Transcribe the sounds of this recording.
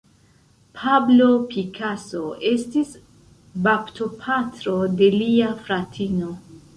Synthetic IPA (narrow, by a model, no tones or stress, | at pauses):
pʰablopʰikʰaso̞e̞stis | baptʰo̞pʰatɾo̞de̞liafɾatʰino̞